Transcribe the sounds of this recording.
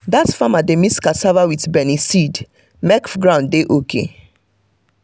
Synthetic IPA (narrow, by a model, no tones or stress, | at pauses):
datfamademiskasavawitbɛnisid | mɛkfɡɹãʊ̃ndeʔokʰḛ